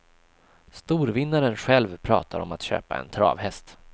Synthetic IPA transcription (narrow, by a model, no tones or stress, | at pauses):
st̪uːɾvɪnːaɾənɧɛlvpʰɾɑ̰ːt̪ʰaɾɔmat̪ɕø̰ːpaɛ̰nt̪ʰɾɑ̰ːvhɛst̪